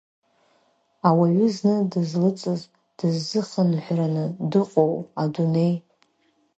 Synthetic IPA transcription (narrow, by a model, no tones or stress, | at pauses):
awaɥʏznɨdɨzlɨt͡sʼɨz | d̥ɨzːɨχənħʷranɨdɨqʼowadune̞j